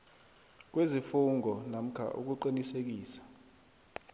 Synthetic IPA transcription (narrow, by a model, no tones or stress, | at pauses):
k̬wezifuŋɔnam̩kʰa̰ʔṵk̬uǃinisek̬iːsḁ